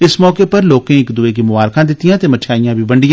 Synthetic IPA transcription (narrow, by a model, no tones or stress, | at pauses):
ɪsmɔːkepɐɾloːkẽɪkd̪ʊek̬imʊʋaːɾkãd̪ɪt̪ijãːt̪emɐʃʰaːijãːbʱibɐ̃ɳɖɪjã